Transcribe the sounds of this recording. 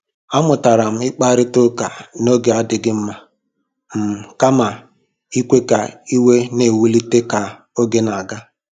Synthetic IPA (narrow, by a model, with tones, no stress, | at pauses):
a˦mʊ˨ta˨ɾa˨m̩˦ɪ˦k͡pa˦ɾɪ˦tʊ˦ka˨no˦ɡe˨a˦dɪ˨ɡɪ˦m̩˦ma˦ | m̩˨ka˦ma˨ | i˦kʷe˦ka˨i˦we˦ne˨wu˦li˦te˦ka˨ | o˦ɡe˦na˨ɡa˦